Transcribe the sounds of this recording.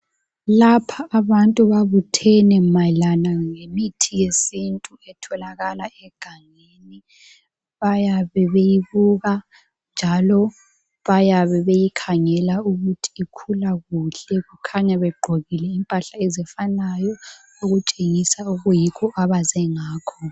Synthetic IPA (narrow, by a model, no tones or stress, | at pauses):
lapʰaːβantʼuβaβutʰɛnɛmalanaŋemitʰijesintʼuɛtʰɔlaɣalaʔɛɡ̥ʱaŋ | eni | βajaβɛβejiβuɣa | nd͡ʒʱalɔ | βajaβɛβejikʰaŋɛlauɣutʰi̥ːkʰulaɣuɬɛɣukʰaɲɛβɛɡ͡ǃʱoɣilɛimpʼaɬaɛzɛfanajɔ | oɣut͡ʃʼeŋisauɣujikʰɔaβazɛŋaːkʰɔ